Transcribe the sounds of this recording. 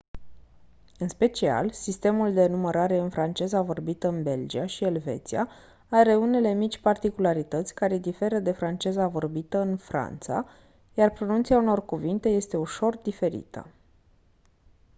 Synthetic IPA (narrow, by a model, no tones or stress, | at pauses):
ɨnspe̞t͡ʃia̰lsist̪e̞muld̪e̞numeɾaɾe̞ɨnfɾant͡ʃe̞zavo̞rbit̪əɨnbe̞ld͡ʒiaʃielve̞̰t̪sia | aɾe̞une̞le̞mit͡ʃʲpart̪ikulaɾit̪ət̪sʲkaɾed̪ife̞ɾəd̪e̞fɾant͡ʃe̞zavo̞rbit̪əɨnfɾa̰nt̪sa̰ | jarpɾo̞nunt̪siauno̞rkuvint̪e̞je̞st̪e̞uʃo̞rd̪ife̞ɾḭt̪ə̰